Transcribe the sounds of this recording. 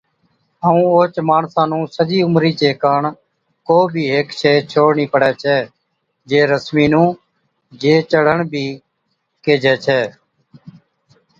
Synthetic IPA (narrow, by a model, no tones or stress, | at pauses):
əũːoːt͡ʃmaːɳsãːnũːsəd͡ʒiːʊmɾiːt͡ʃeːkaːɳ | koːbʱiːɦeːkʃʰeːt͡ʃʰoːɽɳiːpəɽɛːt͡ʃʰɛː | d͡ʒeːɾəsmiːnũː | d͡ʒeːt͡ʃəɽ̤əɳbʱiː | keːd͡ʒɛːt͡ʃʰɛː